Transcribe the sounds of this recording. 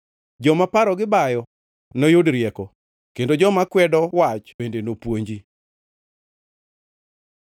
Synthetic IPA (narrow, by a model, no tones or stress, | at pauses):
d͡ʒɔmapaɾɔɡɪbajɔ | nojodɾjɛkɔ | kendod͡ʒɔmakwɛdɔwat͡ʃbendenopwoɲd͡ʒi